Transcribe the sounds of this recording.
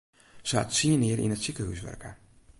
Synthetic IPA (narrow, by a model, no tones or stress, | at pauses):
sa̰tsiənɪəɾʔḭnətsikəɦy̰sʋœ̰rkə̰